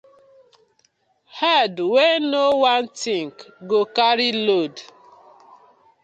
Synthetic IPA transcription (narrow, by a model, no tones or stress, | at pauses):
hɛdwenowantiŋkɡokaɾilod